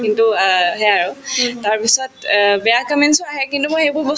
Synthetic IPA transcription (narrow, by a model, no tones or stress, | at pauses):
kintuɦɛaɹʊtaɹpisɔtbɛjakɔmɛnsɔaɦɛkintumojxebʊɹbɔ